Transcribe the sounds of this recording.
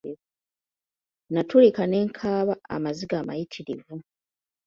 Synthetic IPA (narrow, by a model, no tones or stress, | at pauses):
natulikane̞ːŋkʰaːβaa̰maziɡaːma̰jitʰiɾivu